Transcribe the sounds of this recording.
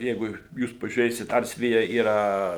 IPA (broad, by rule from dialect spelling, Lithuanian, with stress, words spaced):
ˈjɛɪɡʊ ˈjuːs pɐʒʲuːˈrʲeːsʲɪt ˈɐrs ˈʋʲɪjɛ iːˈrɐ